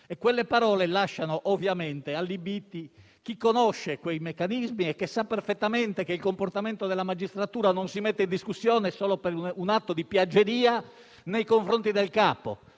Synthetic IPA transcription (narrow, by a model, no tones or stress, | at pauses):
ɛkwelːepaɾɔːlelaʃːanoʔovjamɛnt̪ealːibit̪ːi | k̟ikːonɔʃːekwejmekːanizmiɛkːesːapːɛrfɛt̪ːamɛnt̪ekeilkomport̪ament̪od̪elːamad͡ʒist̪ɾat̪uːɾanonsimɛt̪ːeind̪iskusːjɔːnesɔːlopeɾunat̪ːod̪ipjad͡ʒːeɾiːa | nejkoɱfɾont̪id̪elkaːpo̰